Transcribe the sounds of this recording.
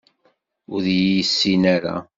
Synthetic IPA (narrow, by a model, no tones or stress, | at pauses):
ʊðjjəsːinaɾa̰